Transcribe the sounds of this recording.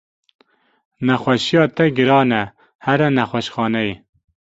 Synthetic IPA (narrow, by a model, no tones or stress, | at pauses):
nɛxwɛʃijɑːt̪ɛɡɨɾɑːnɛ | hæɾɛnɛxʷwɛʃxɑːnɛji